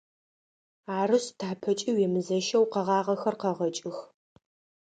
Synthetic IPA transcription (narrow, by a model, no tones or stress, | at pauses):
aːrɨɕtʰaːpʰɐt͡ʃʼiwɛmɨzɐʃɐwqɐʁɑːʁɐxɐrqɐʁɐt͡ʃʼɪx